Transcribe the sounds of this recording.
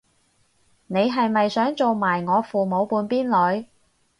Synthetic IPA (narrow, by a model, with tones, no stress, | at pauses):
ne˨˧jɦɐ˨jmɐ˨jsœː˨˥ŋt͡so˨wmaː˨˩jŋɔː˨˧fuː˨mo˨˧wpuː˧npiː˥nlɵ˨˧ɥ